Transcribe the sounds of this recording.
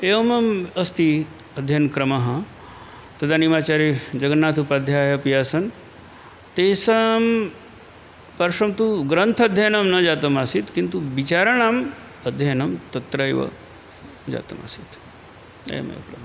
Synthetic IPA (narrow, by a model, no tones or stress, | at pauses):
eʋɐmɐmɐst̪i | ɐd̪ʱjɐnkɾɐmɐɦɐ | t̪ɐd̪animaːt͡ʃaːɾid͡ʒɐɡɐnːaːt̪ʰupaːd̪ʱjaːjɐpijaːsɐn | t̪eːsɐm | pɐɾʂɐmt̪uɡɾɐnt̪ʰɐɐd̪ʱjɐnɐmnɐd͡ʒaːt̪ɐmasit̪kint̪uʋit͡ʃaːɾɐɳam | ɐd̪ʱjɐnɐmt̪ɐt̪ɾɐeʋɐ̰ | d͡ʒa̰ːt̪ɐ̰ma̰sit̪ | ḛjɐ̰mḛʋkɾɐmɐ